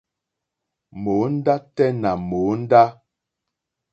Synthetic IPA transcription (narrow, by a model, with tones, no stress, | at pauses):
mo˨˦n̩˦da˦tɛ˦na˨mo˨˦n̩˦da˦